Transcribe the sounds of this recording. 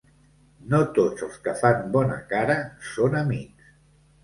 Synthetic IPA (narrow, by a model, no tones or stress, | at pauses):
not̪od͡zəlˠskəfambɔnə̰kaɾəsonəmiks